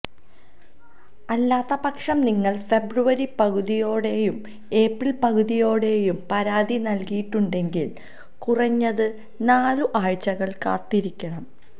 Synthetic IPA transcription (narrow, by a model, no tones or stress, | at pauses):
ɐlːaːt̪ːɐpɐkʂɐmniŋːɐɭfe̞bruʋɐɾipɐɣuðijo̞ːɽe̞jum | e̞ːprilpɐɣuðijo̞ːɽe̞jumpɐɾaːd̪ʱinɐlkijiʈːuɳɖe̞ŋɡil | kurɐɲːɐðɨ | naːluʔaːɻt͡ɕːɐɣɐɭka̰ːt̪ːiɾikʲːɐɳɐm